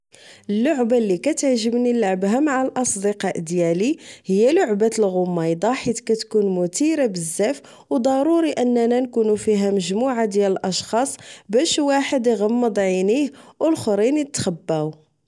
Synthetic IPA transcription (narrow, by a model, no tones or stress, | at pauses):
ʔəlːʊʕbalːikæt̪əʕʒəbnilaʕbɦæmaʕalʔɑsˤd̪əqɑʔd̪jælihəjːælʊʕbæt̪əlɣʊmːɑjd̪ˤɑħit̪kæt̪kunmʊt̪iɾabəzːæf | wd̪ˤɑɾˤuɾiʔənːnænkunufiɦæməʒmuʕad̪jæləlʔɑʃxɑsˤbæʃwaħəd̪iɣəmːəd̪ˤʕinihwəlxɾinit̪xəbːæw